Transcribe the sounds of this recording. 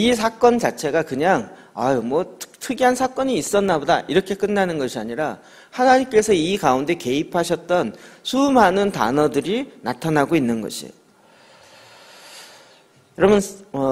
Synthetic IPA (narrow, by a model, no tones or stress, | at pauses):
is̬ʰak͈ʌnt͡ɕat͡ɕʰe̞ɡakɯɲaŋ | ajmwʌtʰɯ̥tʰɯɡiɦansʰak͈ʌɲiːs͈ʌnːaboda̰ʔiɾʌkʰe̞k͈ɯnːanɯnɡʌɕʰiaɲiɾa | hanaɲimk͈e̞sʰʌikaunde̞ke̞ipʰaɕʰʌt̚t͈ʌnsʰumɦanɯnta̰nʌdɯɾinatʰanaɡoinːɯnɡʌ̰ɕʰḭo | jɾʌmʌnʌ